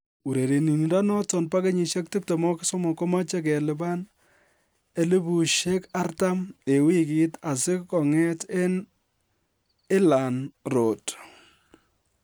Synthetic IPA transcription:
u˨ɾe˨ɾi˨ni˨ni˨da˦nɔ˦tɔ˨npa˦ke˦ɲi˨ʃe˦k̚tɪ˦p̚te˨mɔ˦kɪ˦sɔ˦mɔ˨kɔ˦ma˦t͡ʃɛ˦k̬ɛ˨lɪ˦ba˦n | e˦lɪ˦bu˨ʃe˦ka˦rta˦me˨wi˦kita˨sɪ˦kkɔ˨ŋɛ˦te˦n | ɪ˦la˨nro˨t

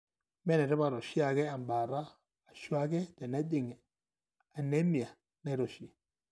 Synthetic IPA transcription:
mɛ˦nɛ˨ɾɛ˦ba˨ɾɔ˨ʃi˦a˨ɡɛ˦a˨mba˨ɾa˦ | a˨ʃu˦a˦ɡɛ˦dɛ˨na˦d͡ʒɪ˨ŋ˨ | a˨ne˦mi˨a˨ | na˦ɾɔ˨ʃi˨

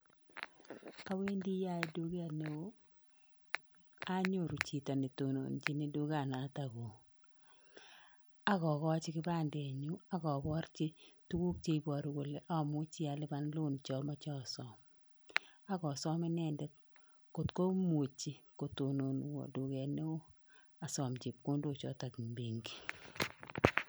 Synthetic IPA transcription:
a˦we˦ndi˦ja˦e˦du˦ɡe˦a˨ne˨˦ | a˦ɲo˦˨ɾu˨t͡ʃi˨tɔ˨ni˨to˨no̰˨nt͡ʃi˦nɪ˨du˦ɡa˨na˨˦ta˨ɡo˨ | a˦ɡɔ˨kɔ˦a˦t͡ʃɪ˦kɪ˦ba˦˨ndɛ˨ɲu˦a˦ɡɔ˨bɔ˦ɾt͡ʃe˦tu˦wu˦k̚t͡ʃe˦i˦bɔ˨ɾɡo˨le˦ʔɔ˦˨mʊ˦t͡ʃɪ˦a˨lɪ˦ba˦nlʊ˦˨nt͡ʃɔ˦ma˦t͡ʃɔ˦˨sɔ˦m | a˦ɡɔ˨sɔ˦mɛ˦nɛ˦˨ndɛ˦ | ko˨tko˦m˦o˨t͡ʃi˦ko˨to˨no˨n˨wɔ̰˨dʊ˨ɡɛ˨ne˦o˦ | a˨sɔ˨md͡ʒɪ˨p̚ko˦ndo˦˨t͡ʃɔ̰˨˦ta˨ɡbe˨ŋɡi˨

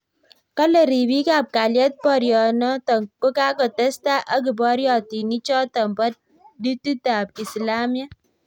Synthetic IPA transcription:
ka˦le˨ɾi˨bi˦ka˨p̚ka˨ljɔ˦t̚pɔ˦˨ɾjɔ˨nɔ˦tɔ˨ŋko˦ka˦kɔ˨tɛ˦sta˦ʔa˦k̬i˨bɔ˦ɾjɔ˨ti˨ni˦t͡ʃɔ˦tɔ˨mbɔ˦t̚ | di˦tu˦ta˨pi˨sla˦mja˦

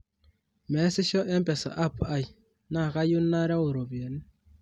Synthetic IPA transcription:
mɛ˨˦sɪ˦ʃɔ˦ʔɛ˦mpɛ˨sa̰˨ʔa˦pa˦˨ji˨ | na˦˨ka˦ju˦nːa˦ɾa˦o˨ɾo˨βje˨ni˦

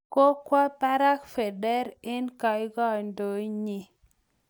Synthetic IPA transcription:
ko˦kwa˦pa˦ɾa˦kfɛ˨dɛ˦ɾe˦nka˨ɪ˦ɡɔ˦˨ndo˨i˦ɲi˨

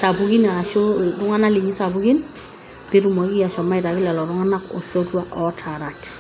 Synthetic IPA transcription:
sa˨bu˨ɡi˦na˨a˨ʃo˦dʊ˦ŋa˦na˦li˨ɲi˦sa˨bʊ˦ɡi˦n | b̥ɪ˦ɾu˨mɔ˨kɪ˦ja˨ʃɔ˨ma˦ɪ˨ta˨kɪ˦lɛ˨lɔ˨ɾʊ˦ŋa˦na˦kɔ˨sɔ˦twa˦ʔɔ˦tʰa˨ɾa˨t

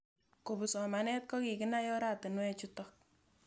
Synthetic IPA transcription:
ko˨bu˨sɔ˨ma˨nɛ˦t̚kɔ˦ki˨kɪ˦na˦jɔ˦ɾa˦˨tɨ˨nwɛ˦t͡ʃu˦tɔ˨k̚

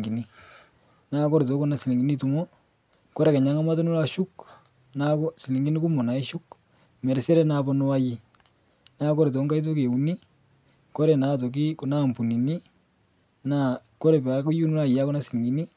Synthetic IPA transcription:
ɡi˨ni˦ | na˦kɔ˦ɾto˨˦kɔ˦na˨si˨li˨ŋɡi˨ni˦tu˨mɔ˦ | kɔ˦ɾe˨ke˨ɲa˨˦ŋa˦ma˦tɔ˦nu˦la˦ʃu˦k | na˦kɔ˦si˨li˨ŋɡi˦ni˦ku˦mo˨na˨i˦ʃu˦k | mɛ˨ɾse˦ɾɛ˦na˨bɔ˦no˦wa˦ji˦ | na˦kɔ˦ɾt̬ɔ˨˦ŋɡa˦jt̬o˦ke˨u˨ni˦ | kɔ˦ɾe˨na˨t̬o˨k̬i˦kɔ˨na˦˨mpu˨ni˨ni˦ | na˦˨kɔ˦ɾe˨ba˨˦ku˦ju˦nu˦la˦˨ja˦kɔ˦na˦sɪ˨li˨ŋɡi˨˦ni˦

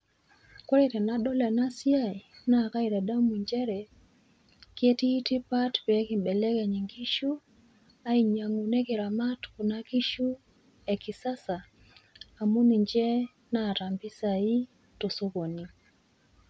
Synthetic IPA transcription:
kwɔ˦ɾɛ˨ɾɛ˨na˦ɗɔ˦lɛ˨na˦si˦ai˨na˨ka˦iɾɛ˨da˦u˦mu˨ɲd͡ʒɛ˦ɾɛ˨ | kiɛ˦tiː˦ti˦pa˦tpɛ˨˦ki˨mɓɛ˨lɛ˦kɛ˨ɲi˨ŋɡi˦ʃu˦ | a˦i˨ɲa˨ŋu˨nɛ˦ki˨ɾa˨ma˦tku˨na˦ki˦ʃu˦ | ɛ˨ki˨sa˦saː˨ | mu˦ni˨ɲd͡ʒɛ˦ | na˨ɾa˨mbi˦sa˨i˦ | tɔ˨so˦ko˨ni˨

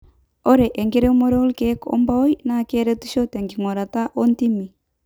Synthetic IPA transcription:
ɔ˦ɾɛ˨ʔe˨ŋɡe˦ɾɛ˦mo˦ɾɔ˦lkɛ˦kɔ̰˦mba˦o˦i˦nakɛɾɛ˦tuʃɔ˦tɛ˨ŋɡi˨ŋo˨ɾa˨ta˦ʔo˦nti˦mi˨

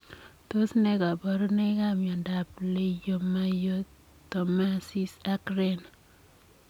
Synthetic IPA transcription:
to˦sneka˨bɔ˦ɾne˦ka˦mja˨ndaple˦jo˦ma˦jo | to˨masi˦sa˦kɾen

